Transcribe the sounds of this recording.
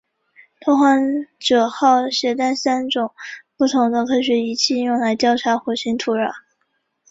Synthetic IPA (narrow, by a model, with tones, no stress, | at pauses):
t̪ʰo˥xwa˧˥nʈ͡ʂɤ˨˩xɑ˥˩ʊɕɥɛ˧˥t̪a˥˩nsa˥nʈ͡ʂʊ˨˩ŋpu˥˩t̪ʰʊ˧˥ŋd̪ə˧kʰɤ˥ɕ̬ɥɛ˧˥i˧˥t͡ɕʰi˥˧i˥njʊ˥˩ŋla˧˥ɪt̪jɑ˥˩ʊʈ͡ʂʰa˧˥xwɔ˧˥˩ɕʰi˧˥ŋt̪ʰu˧˥ɻə˨˧˩